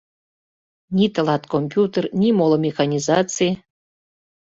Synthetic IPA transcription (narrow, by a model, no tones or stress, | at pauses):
nʲit̪ə̆lˠɑt̪komʲpʲjut̪ərnʲimolˠomʲexanʲizɑt͡sɨj